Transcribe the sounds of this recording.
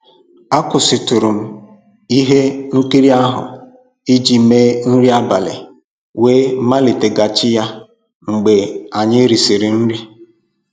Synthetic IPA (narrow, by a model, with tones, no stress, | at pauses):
a˦kʊ˨sɪ˨tu˨ɾu˨m̩˦ | i˦ɦe˦ŋ̩˦ki˦ɾi˦a˦ɦʊ̰˨ | i˦d͡ʒi˨me˦n̩˦ɾi˦a˦ba̰˨lɪ̰˨ | weː˦ma˦li˨te˨ɡa˨t͡ʃɪ˦ja˦ | ŋ͡m̩˨ɡ͡be˨a˨ɲɪ˦ɾi˨si˨ɾi˨n̩˦ɾi˦